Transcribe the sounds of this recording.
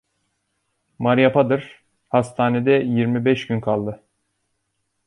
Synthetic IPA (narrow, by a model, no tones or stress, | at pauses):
maɾjapʰad̪ɯɾ̥ | hast̪ʰaːned̪ɛjiɾmibɛʃɟynkʰalˠd̪ɯ